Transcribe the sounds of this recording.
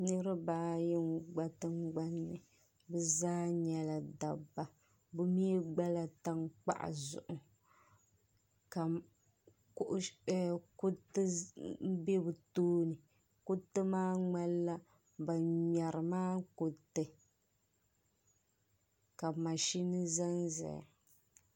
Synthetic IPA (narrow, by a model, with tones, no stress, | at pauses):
nɨ˦ɾɨ˦baː˦jɪ˦ŋɡ͡ba˦tɨ˦ŋɡ͡ba˦nːɨ˨ | bɛ˦zaː˦ɲɛ˦la˨da˨bːa˨ | bɨ˦mi˦e˦ɡ͡ba˦la˦ta˦ŋk͡pa̰˦ʔa̰˨zʊ̰˨ʔʊ˨ | ka˨ | kʔku˦tɨ˦m̩˦be˦bɨ˨toː˦nɨ˨ | kʊ˦tːɨ˦maː˦ŋ͡ma˦lːa˦ | ba˨ɲa˨ɾɨ˨maː˦ko˦tɨ˨ | ka˨ma˨ʃi˦nɨ˦za˦nza̰˨ja̰˨